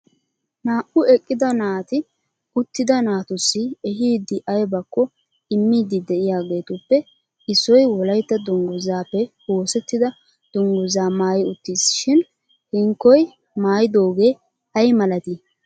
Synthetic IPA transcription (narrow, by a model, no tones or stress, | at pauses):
naːʔʊɛkʼːɪd̪ɐnaːt̪ɪ | ʊt̪ːɪd̪ɐnaːt̪ʊsːɪɛɦiːd̪ɪʔɐjbɐkːɔ | ɪmːiːd̪ɪd̪ɛʔɪjaːɡe̞ːt̪ʊpːɛ | ʔɪsːɔjwɔlɐjt̪ːɐd̪ʊŋɡʊzaːpːɛwo̞ːsɛt̪ːɪd̪ɐ | d̪̥ʊŋɡʊzaːmaːjɪʊt̪ːisʃɪn | hɪŋkːɔj | maːjɪd̪o̞ːɡe̞ː | hɐjmɐlɐt̪i